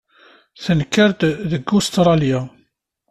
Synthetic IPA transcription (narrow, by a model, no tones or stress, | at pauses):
θənkːəɾd̪ðəɡust̪ɾˤɑlja